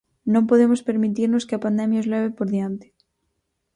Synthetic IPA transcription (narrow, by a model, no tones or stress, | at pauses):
nõmpoðemospe̞ɾmit̪iɾnoskeapand̪emjaozleβepoɾðjant̪e̥